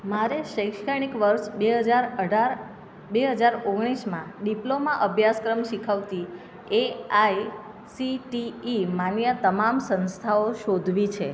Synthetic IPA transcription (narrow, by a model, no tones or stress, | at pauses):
maɾeʃəjkʃkʰaɳ̃ikʋəɾʃbeɦəd͡ʒaɾəɖʱaɾ | beɦəd͡ʒaɾoɡɽ̃iʃmãɖiplomãʔəbʱjaskɾəmʃikʰəʋt̪i | eaj | siʈiːmanjət̪əmamsə̃nst̪ʰaoʃod̪ʱʋit͡ʃʰe